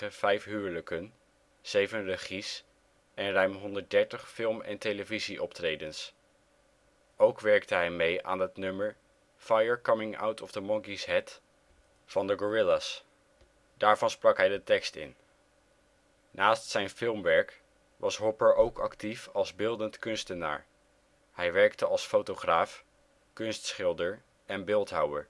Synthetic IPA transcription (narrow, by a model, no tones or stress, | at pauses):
əv̥ɛjfɦyːɹləkən | z̥ejvənrəχis | ʔɛnrœɥmɦɔndəɹt̚dɛɹtəχfɪlˠmɛ̰ntejləviziʔɔptrejdəns | owkʋɛɹk̚təɦɛjmejʔa̰ːnɦətnɵməɹ | fajəɹkʌmɪ̃ŋa̰wtʰɔvdəmɔŋkisɦɛt | fɑndəɡɔɹɪlas | daːɹv̥ɑnsprɑkɦɛjdətɛkstɪ̰n | naːstsɛjnfɪlˠmʋɛɹk | ʋʔɑsɦɔpəɹʔowkʰɑ̰ktifɑlˠzbɪlˠdəntkɵnstəna̰ːɹ | hɛjʋɛɹktəʔɑlˠsfowtoχraːf | kɵnstsχɪlˠdəɹ | ɛnbɪlˠtɦʌwəɹ